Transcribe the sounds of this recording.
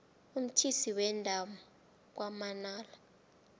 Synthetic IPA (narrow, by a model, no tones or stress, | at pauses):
um̩tʰisiwɛndʱama | k̬wamanaːla